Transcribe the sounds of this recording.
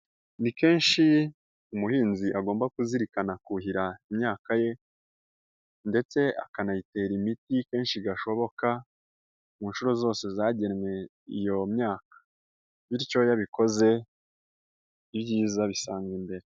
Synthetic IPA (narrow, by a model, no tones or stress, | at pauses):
nike̞ːnʃi | umuhiːnziʔaɡo̞ːmbakuziɾikanakuɦiɾaimɲaːkaje̞ | nde̞t͡se̞a̰kanajite̞ɾimitike̞ːnʃiɡaʃo̞βo̞ka | muːnʃuɾo̞zo̞ːse̞zaːɟe̞nŋwe̞ | ḭjo̞mɲaːkḁ | βiɾco̞jaβiko̞ze̞ | iβɟiːzaβisaːŋɡimbe̞ɾe